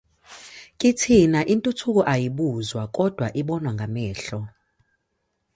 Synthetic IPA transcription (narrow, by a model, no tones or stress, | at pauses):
kʼitʰinaʔintʼutʰuk̬ʼɔʔajiɓuzwakʼɔd̥ʱwaʔiɓɔnwaŋɡʱamɛːɬɔ